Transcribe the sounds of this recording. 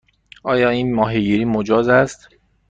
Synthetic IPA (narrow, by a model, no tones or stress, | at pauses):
ʔɒːjɒːiːnmɒːɦeɡiːɾiːmod͡ʒɒːzæst̪